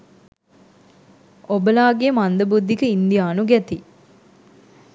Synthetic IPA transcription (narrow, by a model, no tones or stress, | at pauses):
obəlaːɡejːmand̪əbud̪ʱːikəind̪ijaːnuɡɛt̪i